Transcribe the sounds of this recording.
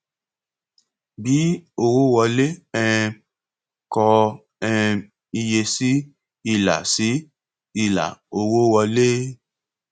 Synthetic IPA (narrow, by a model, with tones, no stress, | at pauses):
bi˨˦o˧wo˦wɔ˧le˦ɛ˧ | kɔ˧ | ɛ˧ | i˧je˧si˦ | i˧la̰˨si˨˦ | i˧la̰˨o˧wo˦wɔ˧le˦